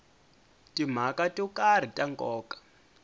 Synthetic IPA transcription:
tʼim̤akatʼɔkar̤itʼaŋkʼɔːkʼḁ

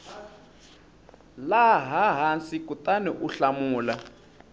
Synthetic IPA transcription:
laɦaɦansikutʼanɛʔuɬamuːla

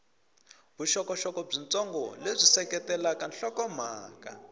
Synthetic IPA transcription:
βuʃɔkɔʃɔkɔb͡ʐint͡sʼɔŋɡɔlezʷisɛkɛtɛlakanɬɔkɔmaːka̰

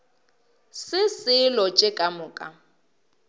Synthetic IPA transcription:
sɪsɪlɔt͡ʃʼɪkʼamʊːkʼa̰

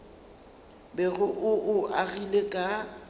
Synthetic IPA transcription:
bɛɣʊʔʊʔʊʔaɣilekʼa

